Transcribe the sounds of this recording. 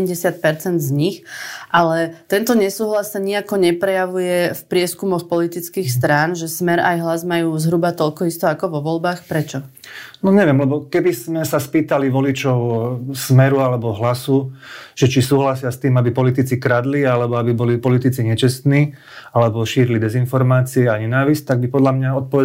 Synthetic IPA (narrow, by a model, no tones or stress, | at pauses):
mɟɛsɪat̪̚pɛɾt͡sɛnd̪zɲixʔalɛt̪ɛnt̪ɔɲɛsuːɦlasaɲiakɔɲɛpɾɛjaʋujɛfpɾɪɛskumɔxpɔlit̪it͡skiːxst̪ɾaːnʒɛsmɛɾajɦlazmajuːzɦɾubat̪ɔʎkɔist̪ɔakɔʋɔʋɔlbaːxpɾɛt͡ʃɔnɔɲɛʋɪɛmlɛbɔkɛbizmɛsaspiːt̪aliʋɔlit͡ʃɔʊsmɛɾualɛbɔɦlasuʒ̥ɛt͡ʃisuːɦlasɪast̪iːmabipɔlit̪it͡sikɾad̪lialɛbɔabibɔlipɔlit̪it͡siɲɛt͡ʃɛst̪niː | alɛbɔʃiːɾilid̪ɛzinfɔɾmaːt͡siɛaɲɛnaːʋisc̚t̪aɡ̚bipɔd̪lamɲaɔt̪̚pɔʋɛ